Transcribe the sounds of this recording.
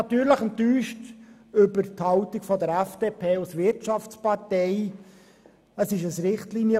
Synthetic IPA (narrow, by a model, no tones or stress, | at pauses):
ɑt̪yːɾləχənt̪yːʃt | ʏbəɾthɑʊtiɡfɔd̪əɾæfd̥eːpʰeːusvɪrtt͡ʃɑft͡spɑrtɛɪ | əsɪʃəsɾɪχtliːnjə